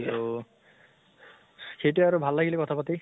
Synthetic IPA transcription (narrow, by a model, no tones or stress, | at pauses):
o | xejtuaɹubʱalːaɡilekɔtʰapati